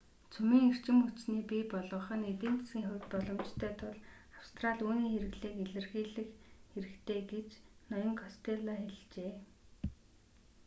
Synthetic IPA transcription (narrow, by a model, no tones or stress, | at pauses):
t͡sʰɵmiːŋer̥t͡ɕɪ̆mut͡ɕniːpipɔɮɞ̆ɴχə̆net̪eːnt͡s̪e̥sɡiːŋxʊwʲt̪pɔɮɞ̆mt͡ɕt̪ʰœːt̪ʰʊɮ | aw̥st̪raɮuːniːxeɾɘ̆ɣɮeːkeɮɘ̆rɣiːɮɘ̆xxeɾɘ̆kt̪ʰeːɡet͡ɕnɔjɞ̆ŋkʰɔst̪ʰeɮɔxeɮt͡ɕeː